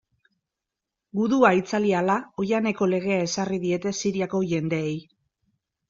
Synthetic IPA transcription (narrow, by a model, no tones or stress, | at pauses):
ɡuðuait͡salialao̞jane̞ko̞le̞ɣ̞e̞ae̞sariðie̞t̪e̞siɾiako̞ʝe̞nd̪e̞ːj